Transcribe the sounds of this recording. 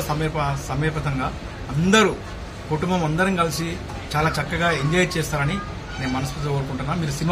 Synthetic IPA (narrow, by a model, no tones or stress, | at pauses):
sɐmeːɾpɐsɐmeːpɐt̪ɐŋɡaː | ɐnd̪ɐɾu | kuʈumbɐmɐnd̪ɐɾinikɐlisi | t͡ʃaːlaːt͡ʃɐkːɐɡaːiɲd͡ʒɐːj̚t͡ʃeːst̪aːɾɐni | ne̞ːnumɐnɐs̬put̪lɐoːɾukuɳʈunːaːmiːɾusini